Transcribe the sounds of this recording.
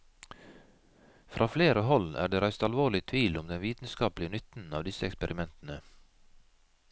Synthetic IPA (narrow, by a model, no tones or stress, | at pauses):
fɾʔɑːfleːɾəhɔlæ̰ːɖeːɾæɪst̪ɑlʋoːɭɪt̪ʰʋiːlʊmd̪ɛnʋiːt̪n̩skɑːplɪənʏt̪n̩ɑ̰ːʋd̪ɪsəɛkspəɾʔɪmɛnt̪n̩ə